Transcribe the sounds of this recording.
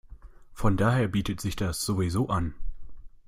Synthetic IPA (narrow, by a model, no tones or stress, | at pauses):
fɔndaːɦeːɐbiːtətz̥ɪçd̥asz̥ovizoːʔan